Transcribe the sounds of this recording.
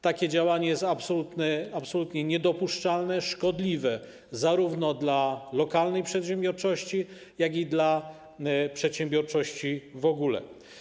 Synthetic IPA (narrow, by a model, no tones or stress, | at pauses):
t̪akʲɛd͡ʑawaɲɛjɛst̪apsɔlut̪nɛapsɔlut̪ɲɛɲɛd̪ɔpuʂt͡ʂalnɛʂkɔd̪lʲivɛ | zaɾuvnɔd̪lalɔkalnɛjpʂɛt̪ɕɛ̃mbʲjɔɾt͡ʂɔɕt͡ɕi | jaɡʲid̪la | pʂɛt̪ɕɛmbʲjɔɾt͡ʂɔɕt͡ɕivɔɡulɛ̰